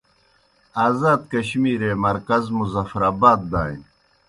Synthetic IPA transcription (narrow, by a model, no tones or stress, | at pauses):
aːzaːd̪̚kɐɕmiːɾeːmɐɾkɐzmuzɐfɾaːbaːt̪̚d̪aːḭn